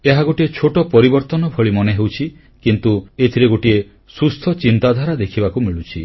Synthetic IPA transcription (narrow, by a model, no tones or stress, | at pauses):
eɦaɡoʈiet͡ʃʰoʈɔpɔɾibɔɾt̪ɔnɔbʱɔɭimɔneɦewt͡ʃʰi | kint̪uet̪ʰiɾeɡoʈie | sust̪ʰɔt͡ʃint̪ad̪ʱaɾad̪ekʰibakumiɭut͡ʃʰi